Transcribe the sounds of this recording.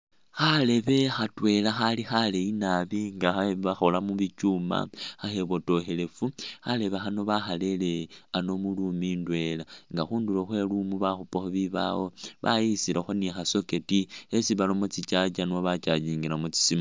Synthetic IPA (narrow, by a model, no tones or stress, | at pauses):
xale̞βe̞xatwe̞laxalixale̞inaβiŋɡaxaβaxolamuβit͡ʃuma̰xaxe̞βo̞to̞xe̞le̞fuxale̞βexano̞βaxale̞leano̞mulumindwe̞laŋɡaxuːnduloxwe̞lumuβaxupaxoβiβa̰wo̞βa̰jisilaxonixaso̞ketiesiβalomot͡sit͡ʃat͡ʃanwaβat͡ʃad͡ʒiːŋɡiɾamut͡si̥sima